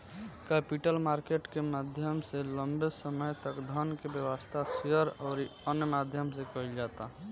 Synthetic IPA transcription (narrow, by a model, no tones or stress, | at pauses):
kɛpiʈəlmaɾkeʈkemad̪ʱjəmseləmbesəməjt̪əkd̪ʱənkebjəwəst̪ʰasiəɾɔːɾənjəmad̪ʱjəmsekəild͡ʒat̪a